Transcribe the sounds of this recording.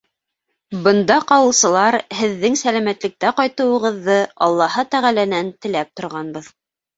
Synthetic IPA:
bɤ̆nd̪ɑqɑwɤ̆lˠsɤ̆lˠɑɾhɘ̆ðːɘŋsælæmæt̪lɘ̆k̚t̪æqɑjt̪ɤ̆wɤ̆ʁɤ̆ðːɤʔɑlˠːɑhɤt̪æʁælænænt̪ɘ̆læp̚t̪ŏɾʁɑnbɤð

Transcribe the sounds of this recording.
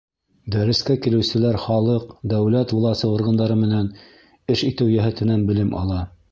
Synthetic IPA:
d̪æɾɘ̆skækilɘ̆wsɘ̆læɾχɑlˠɤqd̪æwlæt̪bulˠɑsɤŏɾʁɤ̆nd̪ɑɾɤmɘ̆næn | ɘʃit̪ɘwjæɦæt̪ɘ̆nænbɘ̆lɘmʔɑ̰lˠɑ

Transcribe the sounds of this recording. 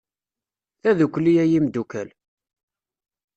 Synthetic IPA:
θæðukʷːlijæjimd̪ukæl

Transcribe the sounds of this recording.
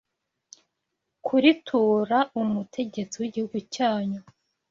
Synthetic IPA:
kʰuɾitʰuːɾaumutʰe̞ɟe̞t͡siwiɟihuɡucaːɲu

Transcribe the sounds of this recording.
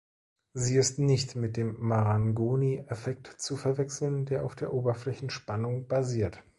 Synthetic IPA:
ziːɪstnɪçtmɪt̚d̥eːmːaʁaŋɡoːniefɛk̚tt͡sufɛɐvɛksl̩ndeːɐʔaʊfd̥eːɐʔoːbɐflɛçn̩ʃpanʊŋbaziːɐt

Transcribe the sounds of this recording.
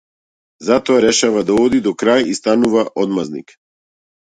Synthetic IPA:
zat̪ɔaɾɛʃavad̪aɔd̪id̪ɔkɾajist̪anuvaʔɔd̪maznḭk

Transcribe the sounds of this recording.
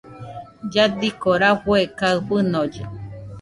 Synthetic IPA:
d͡ʒad̪ikoɾaɸwekaɨɸɨnod͡ʒḛ

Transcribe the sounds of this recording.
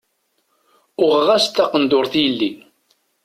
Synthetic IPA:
ʊʁəʁæst̪ːɑqənd̪ʊɾθjəlːi

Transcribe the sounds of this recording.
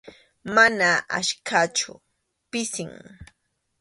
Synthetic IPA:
manaʔa̰ʃkʰat͡ʃʊ̰ | pɪsɪŋ

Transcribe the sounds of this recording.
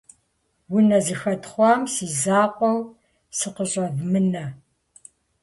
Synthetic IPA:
wʊnɐzɨxɐtχʷɑːmsiːzaːqʷʼɔw | sɨqəɕʼɐvmɨnɐ

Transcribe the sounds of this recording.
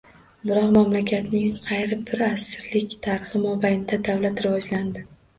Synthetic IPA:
bɪɾɒqmamlakʲʰat̪nɪŋqʰɑjɾɪbɪɾasɪɾlɪkʲt̪ʰaɾɪχɪmɒbajɪnɪd̪ad̪avlat̪ɾɪvɒd͡ʒland̪ɪ

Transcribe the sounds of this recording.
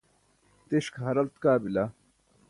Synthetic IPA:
t̪iɕkʰɦɐɾɐlt̪kaːbila

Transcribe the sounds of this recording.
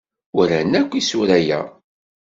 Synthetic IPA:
ʊɾænːækʷːisuɾæjæ̰

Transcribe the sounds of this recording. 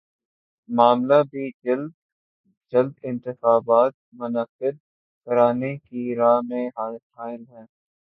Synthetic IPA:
maːmlabʱid͡ʒɪld̪ | d͡ʒɐld̪ɪ̃nt̪ɪxaːbaːt̪̚mʊnəfɪd̪̚ | kɐɾaːnekiɾaːmẽɦafaːɪlɦɛ̃ː

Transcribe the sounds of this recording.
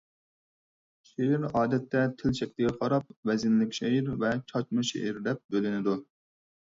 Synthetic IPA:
ʃeiɾɑːd̪ɛt̪ʰːɛt̪ʰɪlt͡ʃʰɛk̚ʲt̪lɪɡʲɛqʰɑɾɑp̚vɛzɪnlɪkʲʃeiɾvɛt͡ʃʰɑt͡ʃmɨʃḛʔiɾd̪ɛp̚bølɪnɪd̪u

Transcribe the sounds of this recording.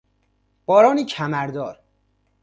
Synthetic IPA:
b̥ɒːɾɒːniːcʰæmæɾd̪ɒːɾ

